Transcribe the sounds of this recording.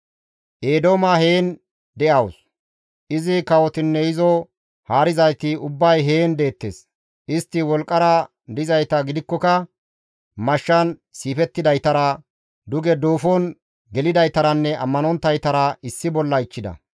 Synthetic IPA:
ʔeːd̪oːmɐhe̞ːn | d̪ɛʔɐws | ʔɪzɪkɐwɔt̪ɪnːɛjɪzɔ | haːɾɪzɐjt̪ɪʊbːɐjɦe̞ːnd̪e̞ːt̪ːḛːs | ʔɪst̪ːɪwɔlkʼːɐɾɐ | d̪ɪzɐjt̪ɐɡɪd̪ɪkːɔkɐ | mɐʃːɐnsiːfɛt̪ːɪd̪ɐjt̪ɐɾɐ | d̪ʊɡɛd̪oːfɔn | ɡɛlɪd̪ɐjt̪ɐɾɐnːɛɐmːɐnɔnt̪ːɐjt̪ɐɾɐɪsːɪbɔlːɐɪt͡ʃːɪd̪ɐ̰

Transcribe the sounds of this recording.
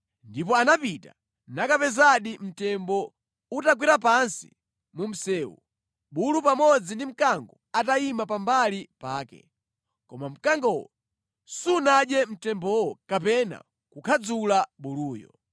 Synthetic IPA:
ndipɔanapita̰ | nakapɛzaɗim̩tɛmbɔ | utakwiɾapansḭ | mum̩sɛːwṵ | ɓulupamɔd͡zindim̩kaŋɡɔ | ataimapambalipaːkɛ̰ | kɔmam̩kaŋɡɔwɔ | sunaɗjɛm̩tɛmbɔwɔkapɛna̰ | kukʰad͡zulaɓuluːjɔ̰

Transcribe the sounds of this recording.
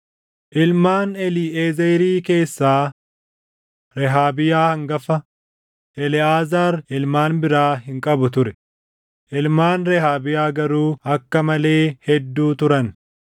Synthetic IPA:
ʔɪlmaːnɛlieːzeɾiːke̞ːsːaː | ɾɛɦaːbɪjaːhɐŋɡɐfɐ | ʔɛlɪaːzaːɾɪlmaːnbɪɾaːɦɪŋkʼɐbʊt̪ʊɾɛ̥ | ʔɪlmaːnɾɛhaːbɪjaːɡɐɾuːɐkːɐmɐle̞ːhɛd̪ːuːt̪ʊɾɐn

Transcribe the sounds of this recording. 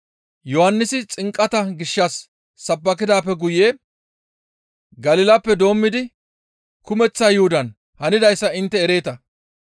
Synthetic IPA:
jɔhɐnːɪsɪt͡sʼɪŋkʼːɐt̪ɐɡɪʃːɐsː | ɐbːɐkɪd̪aːpːɛɡʊjeː | ɡɐlɪlɐpːɛd̪o̞ːmːɪd̪ɪ | kʊmɛt͡sːaːjʊhʊd̪ɐn | hɐnɪd̪ɐjsːɐɪnt̪ːɛːɾe̞ːt̪ɐ

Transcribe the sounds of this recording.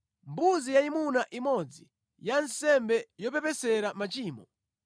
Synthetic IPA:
mbuzijaimunaʔimɔd͡zi | jansɛmbɛjɔpɛpɛsɛɾamat͡ʃiːmɔ

